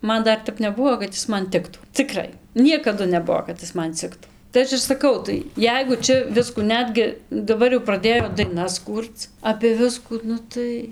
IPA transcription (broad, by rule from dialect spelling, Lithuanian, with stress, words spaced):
ˈmɐn ˈdɐr ˈtʲɛp nʲɛˈbʊʋoː kɐt ˈɪs ˈmɐn ˈtʲɪktuː t͡sʲɪˈkrɐɪ ˈnʲiɛkɐdʊ nʲɛˈbuɔ kɐt ˈɪs mɐn ˈt͡sʲɪktuː tɐɪ ˈɐʃ ɪr sɐˈkɐʊ tɐɪ ˈjɛɪɡʊ ˈt͡ʃʲɛ ˈʋʲɪskuː ˈnʲæːdʲɡʲɪ dɐˈbɐr jɛʊ prɐˈdʲeːjoː dɐɪˈnɐs ˈkuːrt͡s ɐpʲeː ˈʋʲɪskuː ˈnʊ tɐɪ